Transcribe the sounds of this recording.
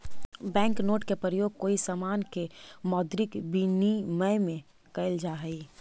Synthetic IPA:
bɛ̃ːŋknoːʈkepɾɾəjoːɡ̚koːisaːmaːnkemɔːd̪ɾɪkbiniməjmẽ | kəɪld͡ʒaːɦəi

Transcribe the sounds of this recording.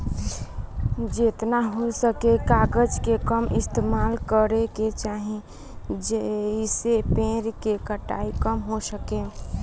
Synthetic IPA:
d͡ʒet̪naɦosəkekaːɡəd͡ʒkekəmɪst̪emaːlkəɾeket͡ʃaɦĩ | d͡ʒəisepẽːɾkekəʈa̰ːikəmɦosəke

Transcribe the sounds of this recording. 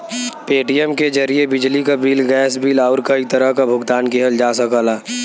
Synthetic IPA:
peːʈijɛmkezɐɾiebɪd͡ʒlikabiːlɡɛːsbʱiːlaʊɾkɐit̪ɐɾəɦkabʱʊɡt̪aːnkeɦəld͡ʒaːsɐkaːlaː

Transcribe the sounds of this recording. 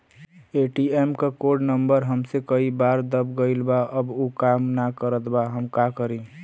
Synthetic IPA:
eʈiemkakoɾɖnəmbəɾɦəmsekəibaɾd̪əbɡəɪlbaʔəbokamnakəɾət̪baɦəmkakəɾi

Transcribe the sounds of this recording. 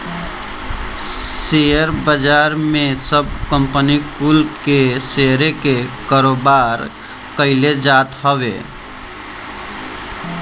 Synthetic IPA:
sejəɾbəd͡ʒaɾmẽsəb̚kəmpənikulpkeseɾekekaɾobaɾ | kəɪled͡ʒat̪ɦəwḛ

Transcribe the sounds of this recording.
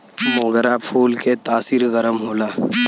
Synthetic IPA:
mõːɡəɾapʰuːlket̪aːsiːɾɣəɾəmɦoːlaː

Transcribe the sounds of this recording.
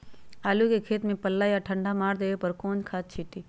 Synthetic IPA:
aːlukekʰeːt̪mẽpəlːaːjaʈʰəɳɖʱamaːɾd̪eːepɐɾkõːnd͡ʒkʰaːt̪̚t͡ʃʰiːt̪iː

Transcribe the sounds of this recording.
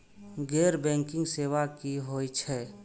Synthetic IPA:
ɡɛːɾbɛ̃ːŋkɪ̃ŋɡseːwakiɦoːit͡ʃʰɛː

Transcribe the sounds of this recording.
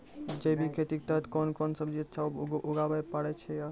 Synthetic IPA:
d͡ʒəjbʱikʰet̪ik̚t̪əɦɛt̪kɔnkɔnsəbd͡ʒett͡ʃʰaɡʔuɡabajpaɽɛt͡ʃʰɛja

